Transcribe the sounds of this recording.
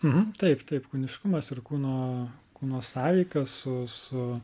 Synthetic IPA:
m̩ɦm̩t̪ɐɪpt̪ɐɪpkuːnʲɪʃkʊmɐsɪɾkuːnoːkuːnoːssɑːʋʲiːkɐsʊsʊ

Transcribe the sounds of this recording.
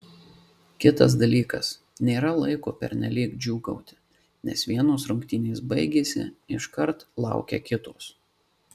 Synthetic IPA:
kʲɪt̪ɐs̬d̪ɐlʲiːkɐs | nʲeːɾɐlˠɐɪkoːpʲɛ̰ɾnʲɛlʲiːkd͡ʒʲuːɡɔ̰ʊt̪ʲɪ̥ | nʲɛ̰sʋʲiɛnoːsɾʊŋʲkt̪ʲinʲeːsbɐɪɡʲeːsʲɪ̰ɪʃkɐɾt̪lˠɑ̰ˑʊkʲɛ̰kʲɪt̪oːs

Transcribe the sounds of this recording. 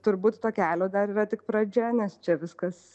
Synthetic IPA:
t̪ʊɾbuːt̪t̪oːkʲæːlʲoːd̪ɐɾiːɾɐt̪ʲɪk̚pɾɐd͡ʒʲɛnʲɛst͡ʃʲɛʋʲɪskɐs

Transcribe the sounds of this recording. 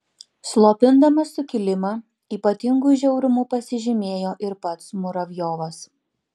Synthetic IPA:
slˠoːpʲɪnd̪ɐmɐsʊkʲɪlʲɪmɑ | iːpɐt̪ʲɪŋɡuʒʲɛʊɾʲʊmuːpɐsʲɪʒʲɪmʲeːjoːʔɪɾpɐt̪smʊɾɐʋʲjoːʋɐs

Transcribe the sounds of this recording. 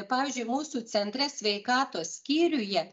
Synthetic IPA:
pɑːʋʲiːzʲd͡ʒʲʊɪmuːsuːt͡s̪ʲɛnʲt̪ʲɾʲɛsʲʋʲɛɪkɑːt̪oːssʲkʲiːɾʲʊjɛ

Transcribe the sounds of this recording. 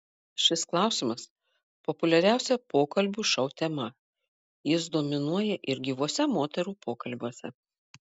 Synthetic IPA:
ʃʲɪsklˠɑˑʊsʲɪmɐs | popʊlʲɛɾʲæˑʊsʲɛpoːkɐlʲbʲuːʃɒʊt̪ʲɛmɐ | jɪs̬d̪oːmʲɪnuɔjɛʔɪɾʲɡʲiːʋoɔsʲɛmoːt̪ʲɛɾuːpoːkɐlʲbʲuɔsʲɛ

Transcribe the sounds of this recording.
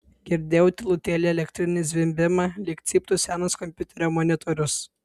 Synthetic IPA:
ɡʲɪɾʲd̪ʲeːʊt̪ʲɪlˠʊt̪ʲɛlʲeɛlʲɛkt̪ʲɾʲɪnʲɪzʲʋʲɪmʲbʲɪmɐlʲɪkt̪sʲiːpt̪ʊsʲænoskɔmʲpʲʊt̪ʲɛɾʲoːmɔnʲɪt̪ʰɔɾʲʊs

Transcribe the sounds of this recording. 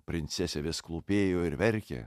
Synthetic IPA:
pʲɾʲɪnʲt̪sʲɛsʲɛʋʲɪsklˠuːpʲeːjoːɪɾʋʲɛɾʲkʲḛ

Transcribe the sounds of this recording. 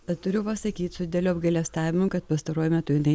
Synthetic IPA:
ɐt̪ʊɾʲʊpɐsɐkʲiːt̪sʊd̪ʲɪd̪ʲɛlʲuːɐbɡɐɪlʲɛst̪ɑːʋʲɪmʊkɐt̪̚pɐst̪ɐɾoɔjʊmʲæt̪ʊjɪnɐɪ

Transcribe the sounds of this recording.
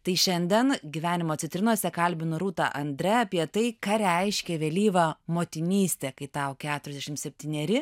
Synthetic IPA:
t̪ɐɪʃʲɛnʲd̪ʲɛnɡʲiʋʲæːnʲɪmoːt͡s̪ʲɪt̪ʲɾʲɪnuɔsʲɛkɐlʲbʲɪnʊɾuːt̪ɑ̰ːʔɐnʲd̪ʲɾʲɛɐpʲiɛt̪ɐɪkɑːɾʲɛɪʃʲkʲɛʋʲɛlʲiːʋɐmoːt̪ʲɪnʲiːsʲt̪ʲeːkɐɪt̪ɐʊkʲæːt̪ʊɾʲɛzd̪ʲɛʃʲɪmsʲɛpʲt̪ʲiːnʲɛɾʲɪ

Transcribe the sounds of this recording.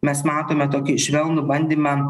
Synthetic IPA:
mʲɛsmɑːt̪oːmʲɛt̪oːkʲɪʃʲʋʲɛlˠnʊbɐnʲd̪ʲeːmʲɛ

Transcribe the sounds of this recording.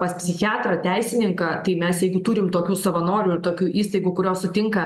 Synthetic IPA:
pɐspʲsʲɪxʲɑːt̪ɾɐt̪ʲæɪsʲɪnʲɪŋkɐt̪ɐɪmʲɛsjɛɪɡʊt̪uɾʲɪmt̪oːkʲuːsɐʋɐnoːɾʲuːɪɾt̪oːkʲuːʔiːst̪ɐɪɡuːkʊɾʲoːsʊt̪ʲɪŋkɐ

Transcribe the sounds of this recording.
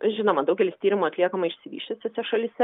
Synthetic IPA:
ʒʲɪnoːmɐd̪ɐʊɡʲɛlʲɪsʲt̪ʲiːɾʲɪmuɐt̪ʲlʲiɛkɐmɐɪʃʲsʲɪʋʲiːʃʲt̪ʲɪsʲɛsʲɛʃɐlʲisʲɛ

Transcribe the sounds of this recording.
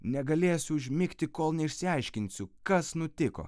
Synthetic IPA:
nʲɛɡɐlʲeːsʲʊʊʒʲmʲɪkt̪ʲɪkoːlˠnʲɛɪʃʲsʲɪɐɪʃʲkʲɪnʲtsʲʊkɐsnʊt̪ʲɪko̰ː

